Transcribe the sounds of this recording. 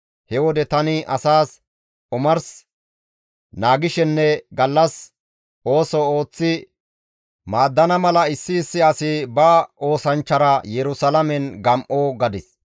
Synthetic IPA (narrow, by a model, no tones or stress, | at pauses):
hɛwɔd̪ɛt̪ɐnɪʔɐsaːs | ʔʊmɐɾs | naːɡɪʃɛnːɛɡɐlːɐs | o̞ːsɔoːt͡sːɪ | maːd̪ːɐnɐmɐlɐɪsːɪːsːɪɐsɪbɐo̞ːsɐnt͡ʃːɐɾɐjɛɾʊsɐlɐmɛnɡɐmʔoːɡɐd̪ɪs